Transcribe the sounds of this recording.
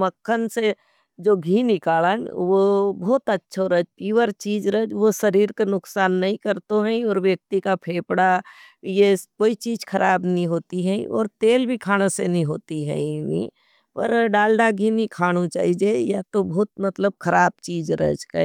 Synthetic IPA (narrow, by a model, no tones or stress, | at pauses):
məkʰːənse | d͡ʒoːɡʱinɪkaːlənʋobɔːt̪ətːʃʰoɾəd͡ʒkiʋəɾt͡ʃiːd͡ʒɾəd͡ʒʋosɐɾiːɾkenʊksaːnːɐɦĩkɐɾt̪oɦɛ̃ɔːɾʋjək̚t̪ikapʰeːpɽa | jekoːit͡ʃiːd͡ʒkʰɐɾʔaːbnəɦĩɦoːt̪iɦɛɔ̰ːɾt̪eːlbʱikʰaːñesenɐɦĩɦoːt̪iɦɛ̰̃nḭ̃ | pɐ̰ɾɖaːlɖaɡʱinikʰaːñut͡ʃa̰ːɦid͡ʒejat̪obɔːt̪̚mɐt̪ləb̚kʰɐɾaːb̚t͡ʃiːd͡ʒɾə̰d͡ʒka̰